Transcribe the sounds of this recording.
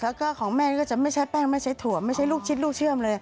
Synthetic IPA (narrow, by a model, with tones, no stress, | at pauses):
kʰa˧˦˩kaː˧˥˩kʰɔː˩˦ŋmɛː˥˩˧kɔː˥˩t͡ɕa˨˩ma˥˩jt͡ɕʰa˦˥pɛː˥˩ŋma˥˩jt͡ɕʰa˦˥jt̪ʰu˨˩˦ma˥˩jt͡ɕʰa˦˥jluː˥˩k̚t͡ɕʰi˦˥t̪̚luː˥˩k̚t͡ɕʰɯ˥˩əmlɤː˧ja˧˩